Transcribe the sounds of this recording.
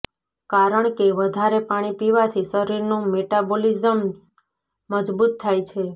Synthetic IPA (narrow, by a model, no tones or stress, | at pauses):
kaɾəɳkeʋəd̪ʱaɾepaɽ̃ipiʋat̪ʰisəɾiɾnũmeʈabolizəm | məd͡ʒbut̪ʰːajt͡ʃʰe